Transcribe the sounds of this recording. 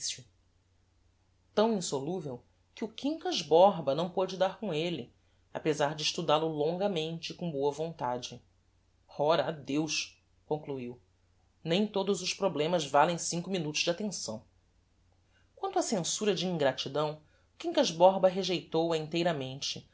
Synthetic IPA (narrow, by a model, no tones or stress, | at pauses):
sʊ | t̪ɐ̃w̃ĩsoluvew | kɪʊkĩŋkɐʒbɔɾbɐnɐ̃w̃pod͡ʒɪd̪aɾkõelɪ | a̰pezaɾd͡ʒɪiʃt̪ud̪alʊlõŋɡɐmẽnt͡ʃɪkõboɐvõnt̪ad͡ʒɪ | ɔɾɐːd̪ewʃ | kõŋkluiw | nẽj̃t̪od̪ʊzʊʃpɾoblẽmɐzvalẽj̃sĩŋkʊminut̪ʊzd͡ʒɪat̪ẽsɐ̃w̃ | kwɐ̃nt̪ʊɐsẽsuɾɐd͡ʒɪĩŋɡɾat͡ʃid̪ɐ̃w̃ | ʊkĩkɐʒbɔɾbɐɦeʒejt̪owɐĩnt̪ejɾɐmẽnt͡ʃɪ